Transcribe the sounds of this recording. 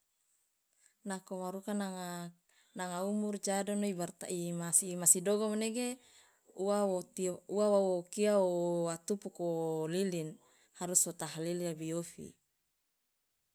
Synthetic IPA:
nakowaɾukanaŋa | naŋaumurd͡ʒadɔnoibart̪a̰ʔimasimasidoɡɔmneɡe | uawuawawokiaoat̪upukolilin | haɾusot̪aɦaliliabijofḭ

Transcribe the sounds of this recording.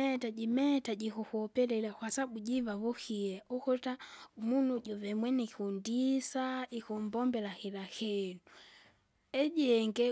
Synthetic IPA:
ɛtaɟimɛtaɟikuhɔpɛlɛlakwasabuɟivavuxiɛʔukɔtamunuɟɔvɛmwɛnikundisaikumbɔmbɛlahilahɛnu | ɛɟɛŋɡɛ

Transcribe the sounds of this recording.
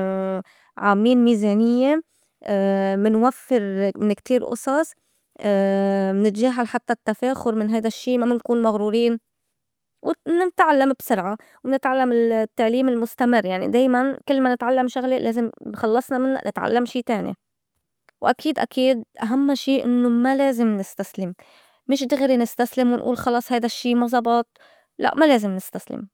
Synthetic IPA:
ʕaːmiːnmiːzeːnɪjːe | mɪnwafːɪɾmɪnkt̪iːɾʔʊ̰sˤɑsˤ | mnɪt̪ʒaːɦalħat̪ːat̪ːafeːxʊɾmɪnɦajd̪aʃːiːmamɪnkuːnmaɣɾuːɾiːn | wɪnɪt̪ʕalːambsʊɾʕa | wnɪt̪ʕalːamɪlt̪ːaʕliːmɪlmʊst̪amɪrːjaʕnḭd̪eːjmankɪlːmanɪt̪ʕalːamʃʊɣlɪlʔeːzɪmxɑlːɑsˤnɑmɪnːa̰ʔnʔɪ̰t̪ʕa̰lːamʃiːt̪eːnḭ | wʔakiːd̪ʔa̰kʰiːd̪̚ʔaɦamːaʃiːʔɪ̰nːomaleːzɪmnɪst̪aslɪmː | ɪʃd̪ɪɣɾinɪst̪aslɪmwɪnʔṵːlxɑlɑːsˤhajd̪aʃːiːmɑzˤɑbɑt̪̚ˤ | la̰ʔmaleːzɪmnɪst̪aslɪ̰m

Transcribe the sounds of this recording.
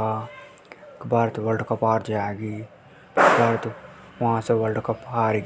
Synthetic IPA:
a | kbaːɾət̪ʋɐlɖkɐpaːɾd͡ʒaɡi | kbaːɾət̪ | ʋɐɦãseʋɐlɖkɐpaːɾɡ

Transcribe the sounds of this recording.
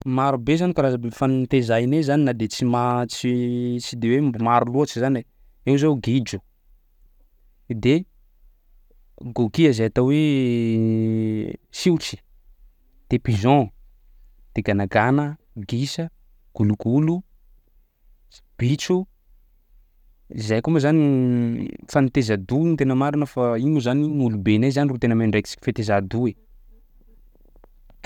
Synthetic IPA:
maɾubezanikaɾazəbefannt̪ezajnezaninad̪et͡simat͡sit͡ʃid̪ewembmaɾuluat͡ʃizani | ewzoɡid͡ʒu̥ | d̪e | ɡokiəzeat̪owe | siwʈ͡ʂi̥ | d̪̥epizɔ̃ | d̪̥eɡanaɡanə | ɡisə | ɡ̥uluɡulu | b̥it͡ʃu | izajkuməzani | fanit̪ezad̪unt̪enəmaɾinəfaiɲuzaninulubenajzanirut̪enəmenɖ͡ʐeki̥t͡si̥i̥fet̪ezad̪ue

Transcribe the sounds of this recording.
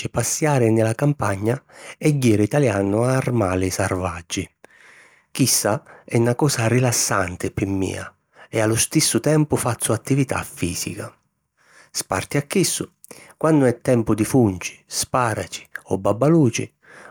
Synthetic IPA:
ɪpasːjaːɾɪnɪlakampaɲːaɛɟːiːɾit̪aljaːnʊaːrmaːlɪsarvad͡ʒːi | kisːaɛnakɔːsarilasːant̪ɪpɪmːḭːa̰ | ɛalːʊst̪isːʊt̪ɛmpʊfat̪sːuat̪ːivit̪a̰fːiːsḭka | spa̰rt̪iakːisːʊ | kwanːʊɛt̪ːɛmpʊd̪ifunt͡ʃi̥spaːɾat͡ʃi̥ɔbːabːaluːt͡ʃɪ̰

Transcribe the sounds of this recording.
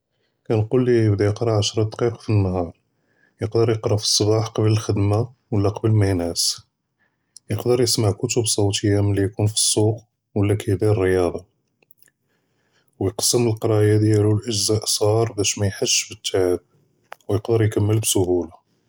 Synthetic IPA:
kænqulːiəbd̪ajəqɾˤɑʕaʃɾˤɑd̪qiqɑ̥finːhɑɾˤ | jəqd̪əɾˤjəqɾˤɑfi̥sˤːɑbɑħqɑbləlxəd̪mawəlːæqɑbəlmæhnæs | jəqd̪əɾˤjəsmaʕkʊt̪ʊbsˤɑwt̪əjːaməlːijkunfi̥sˤːuq | wəlːækʰæjd̪iərːəjɑd̪ˤɑ | wjəqsːəməlqɑɾˤɑjad̪jælulʔəʒzæʔsˤɑɾˤbæʃmæjħəʃːfət̪ːaʕab̚ | wjəqd̪əɾjkəmːəlbsʊhula

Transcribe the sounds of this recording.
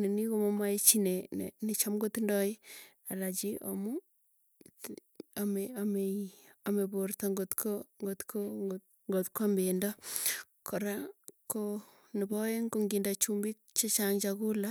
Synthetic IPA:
ninikomomaet͡ʃinen̰net͡ʃamɡotindɔi | alat͡ʃiʔo̰mu | ameameamebortaŋɡotkʰoŋɡotkʰo | ŋɡotkambendɔ | kɔɾako | nɪbɔjeŋɡoŋɡindat͡ʃumbik̚t͡ʃet͡ʃaŋt͡ʃaɡula

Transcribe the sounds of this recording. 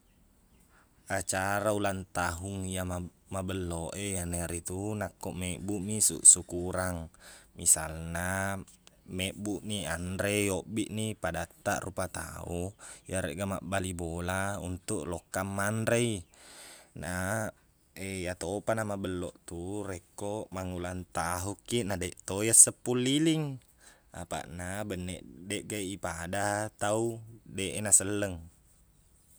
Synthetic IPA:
at͡ʃaɾaulant̪aɦuŋijama | mabəlːoʔejaneɾit̪unakːɔʔmɛbuʔmisṵʔsukuɾaŋmisalna | mɛbuʔniandɾejɔbiʔnipadat̪ːa̰ʔrupat̪a̰ujaɾeʔɡama̰ʔbalibolaṵnt̪uʔlɔkːamːandɾei | na | ejat̪opanamabəlːɔʔt̪uɾɛkːoʔmaŋulant̪aɦukːinadɛʔt̪ojasəpːulːiliŋ | a̰pa̰ʔnabənːɛ̰ʔdɛʔɡaʔipadat̪audeʔenasəlːəŋ

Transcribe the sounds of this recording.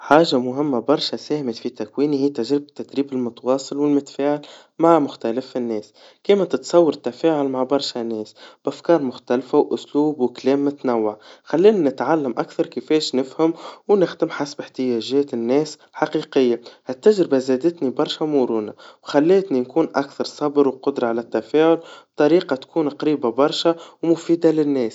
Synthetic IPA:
ħaːʒamʊɦɪmːabɑɾˤʃasæːhmɪt̪fit̪ækwiːnihiːt̪aʒɾɪbɪt̪ːæd̪ɾiːbɪlmʊt̪ɑwɑːsˤɨlwɪlmʊt̪faːʕɪl | maʕmʊxt̪ælɪfɪnːɛːs | kiːmæt̪ɪt̪sˤɑwːɑɾt̪ːafæːʕʊlmaʕbɑɾˤʃanːɛːsb̥ʔafkɑːɾˤmʊxt̪ælfawʔʊsluːbwklɛːmːɪt̪nawːaʕxælːiːnanɪt̪ʕalːamʔakθɑɾˤkɪfɛːʃnɪfhamwnɪxd̪ɪmħasbɪħt̪ɪjæːʒɛːt̪ɪnːɛːs | ħɑqiːqɪjːahɪt̪ːæʒɾɪbazɛːd̪ɪt̪nibɑɾˤʃamuɾuːnawxælːeːt̪ninkuːnʔækθɑɾˤsˤɑbɾwqʊd̪ɾˤɑʕalæt̪ːæfeːʕʊlb̚t̪ˤɑɾiːqɑt̪kʰuːnqɾiːbabɑɾˤʃawmʊfiːd̪alɪnːɛːs

